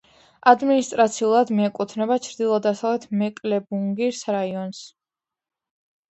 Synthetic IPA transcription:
ad̪minist̪ʼɾat̪sʰiulˠad̪miɛkʼut̪ʰnɛbat͡ʃʰɾd̪ilˠɔd̪asavlɛt̪ʰmɛkʼlɛbuŋɡiɾsɾaiɔns

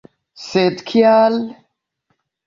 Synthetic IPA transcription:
seːt̪kʰijaːl

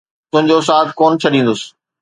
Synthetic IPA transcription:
t̪ʊ̃ɦɪ̃ɲd͡ʑos̬aːt̪koːnt͡ɕʰɐɗĩːn̆d̪ʊsɪ̥̆

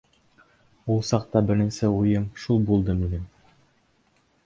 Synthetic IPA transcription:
ulˠsɑq̚t̪ɑbɘ̆ɾɘ̆nsɘujɤmʃulˠbulˠd̪ɤminɘm

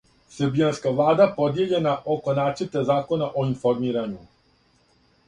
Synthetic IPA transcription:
sebianskaʋlˠaːd̪apo̞d̪je̞ʎe̞naʔoko̞naːt͡ʃət̪ezaːko̞naʔoinfo̞ɾmiːɾaɲu

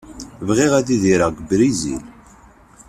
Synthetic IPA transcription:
vʁiʁæðiðiɾaʁɡəbɾizḭl

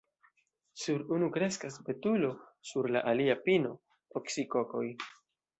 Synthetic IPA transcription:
suɾunukɾe̞skasbe̞tulo̞suɾlaʔaliapino̞ | oksiko̞ko̞j

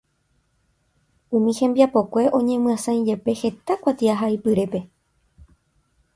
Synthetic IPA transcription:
ũmĩhẽ̞mbiapo̞kʷe̞ʔõ̞ɲẽ̞mɨ̃ãsãĩd͡ʒe̞pe̞he̞t̪akʷat̪iaɦaipɨɾe̞pe̞

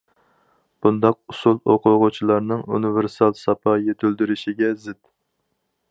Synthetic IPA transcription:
b̥und̪ɑq̚usulˠoqʰʊʁʊt͡ʃʰilˠɑɾnɨŋṵniveɾsɑlˠsɑpʰɑjet̪ʰyld̪yɾyʃiɡʲɛzɪt̪

